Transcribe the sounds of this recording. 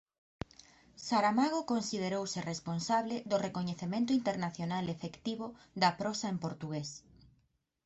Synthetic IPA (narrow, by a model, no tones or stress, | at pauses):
saɾamaɣ̞okonsið̞eɾowsɪresponsaβlɪðʊrekoɲeθemẽnt̪ʊint̪eɾnaθjonalefekt̪iβʊ | ðɐpɾɔsaempoɾt̪uɣes